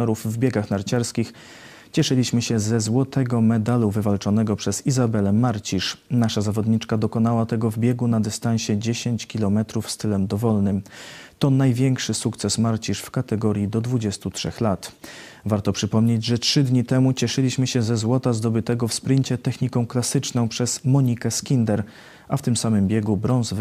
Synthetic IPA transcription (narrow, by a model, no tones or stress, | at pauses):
ɔɾuvːbʲjeɡaxnaɾt͡ɕaɾskʲix | t͡ɕɛʂɘlʲiɕmɘɕɛzɛzwɔt̪ɛɡɔmɛd̪aluvɘvalt͡ʂɔn̪ɛɡɔpʂɛz̥izabɛlɛmaɾt͡ɕiʂnaʂazavɔd̪ɲit͡ʂkad̪ɔkɔnawat̪ɛɡɔvbʲjɛɡunad̪ɛst̪anɕɛd͡ʑeɕeɲt͡ɕkʲilɔmɛt̪ɾufst̪ɘlɛmd̪ɔvɔlnɘmt̪ɔnajvʲjɛŋkʂɘsukt̪sɛsmaɾt͡ɕiʂfkat̪ɛɡɔɾʲjid̪ɔd̪vud͡ʑɛst̪utʂɛ̰xlat̪ | vaɾt̪ɔpʂɘpɔmɲed͡ʑʐɛtʂɘd̪ɲit̪ɛmut͡ɕɛʂɘlʲiɕmɘɕɛzɛzwɔt̪azd̪ɔbɘt̪ɛɡɔfspɾɘɲt͡ɕɛt̪ɛxɲikɔ̃w̃klasɘt͡ʂnɔ̃w̃pʂɛzmɔɲikɛskʲind̪ɛɾ | ʔaft̪ɘmsamɘmbʲjeɡubɾɔ̃ñsv